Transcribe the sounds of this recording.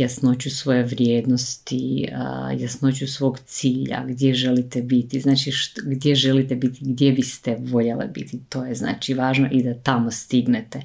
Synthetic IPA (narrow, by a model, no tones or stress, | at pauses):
jasno̞t͡ɕusʋo̞jeʋɾjeːd̪nost̪ḭ | jasno̞t͡ɕusʋo̞ːɡt̪siːʎa̰ɡd̪je̞ʒelit̪ebit̪iznaːt͡ʃiʃtɡd̪je̞ʒelit̪ebit̪iɡd̪je̞bist̪eʋo̞ʎelḛbḭt̪it̪oːjezna̰ːt͡ʃiʋaːʒno̞̰ʔid̪at̪amost̪iɡnet̪e